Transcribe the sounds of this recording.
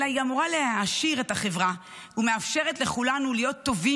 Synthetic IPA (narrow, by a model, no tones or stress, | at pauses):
aiamuʁaleaʃiʁetaχe̞vʁa | ume̞afʃe̞ʁetleχulanulijo̞t̪ːo̞vi